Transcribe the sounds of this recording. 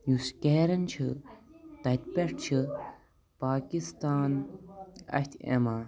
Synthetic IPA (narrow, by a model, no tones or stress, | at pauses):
juskeːɾɐnt͡ʃʰɨt̪ɐt̪̚peʈt͡ʃʰɨ | paːkist̪aːn | ɐ̰hʲt̪ʲʰḛma